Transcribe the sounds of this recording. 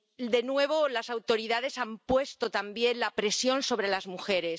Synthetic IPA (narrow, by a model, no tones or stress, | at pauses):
d̪e̞nwe̞β̞o̞lasawt̪o̞ɾiðað̞e̞sampwe̞st̪o̞t̪ambje̞nlapɾe̞sjo̞nso̞βɾe̞lazmuxe̞ɾe̞